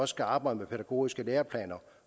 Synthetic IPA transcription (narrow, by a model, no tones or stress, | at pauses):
ɒ̽sə̥kʰæɑ̈ːb̥ɑ̈ɪd̥əmepʰeɾæɡ̥o̝̰ːisɡ̥əleːɐpʰlɛ̰ːnɐ